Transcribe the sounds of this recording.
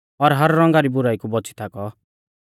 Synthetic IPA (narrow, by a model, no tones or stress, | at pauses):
ɔɾɦɐɾːɔ̃ŋɡaɾibʊɾaːikubɔt͡sʰi̥t̪ʰakɔ